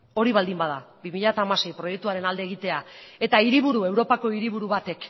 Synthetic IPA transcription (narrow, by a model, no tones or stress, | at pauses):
o̞ɾiβald̪imbað̞abimiʎat̪aːmase̞jpɾo̞je̞k̚t̪uaɾe̞nald̪e̞ːɣ̞it̪e̞ae̞t̪aiɾiβuɾue̞wɾo̞pako̞iɾiβ̞uɾuβat̪e̞k